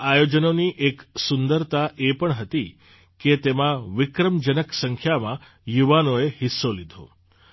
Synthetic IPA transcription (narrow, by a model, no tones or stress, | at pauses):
ajod͡ʒənoniʔeksʊnd̪əɾt̪aʔepəɳɦət̪i | ket̪emãʋɪkɾəmd͡ʒənəksəŋkʰjamã | juʋanoehɪsːolid̪ʱo̰